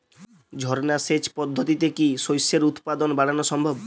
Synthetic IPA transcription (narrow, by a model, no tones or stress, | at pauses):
d͡ʒʱɔɾnaset͡ʃpɔd̪ʱːot̪it̪ekisojseɾut̪pad̪ɔnbaɽanɔsɔmbʱɔb